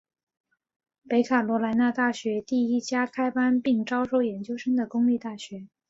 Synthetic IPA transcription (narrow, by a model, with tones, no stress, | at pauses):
pe˧˥ɪkʰa˨˩lwɔ˧˥la˧˥ɪna˥˧t̪a˥˩ɕɥɛ˧˥t̪i˥˩i˥t͡ɕja˥kʰa˥ɪpa˥npi˥˩ŋʈ͡ʂɑ˥ʊʂo˥ʊjɛ˧˥nt͡ɕjo˥ʊʂə˥ŋd̪ə˨kʊ˥ŋli˥˧t̪a˥˩ɕɥɛ˧˥